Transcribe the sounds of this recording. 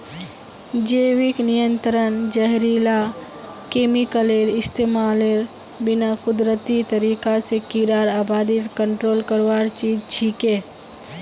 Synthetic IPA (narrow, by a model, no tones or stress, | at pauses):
d͡ʒeːwɪknɪjə̃nt̪ɾənd͡ʒəɦɾila | keːmɪkəleɾɪst̪eːmaːleɾ | bɪnakʊd̪ɾət̪it̪əɾiːkasekiɾaːɾaːbaːd̪iɾkə̃ɳʈɾoːlkəɾwaːɾt͡ʃiːd͡ʒt͡ʃʰiːkeː